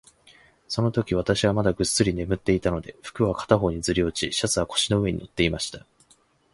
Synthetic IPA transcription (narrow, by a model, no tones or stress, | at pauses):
so̞no̞t̪o̞kʲiβ̞at̪aɕiβamad̪aɡɯ̟t͡sːɨɾʲine̞mɯ̟t̪ːe̞it̪ano̞d̪e̞ɸɯ̥kɯ̟βakḁt̪aɦo̞ːɲ̟id͡zɨɾʲio̞t͡ɕiɕat͡sɨβako̞̥ɕino̞ɯ̟e̞ɲ̟ḭno̞t̪ːe̞imaɕi̥t̪ḁ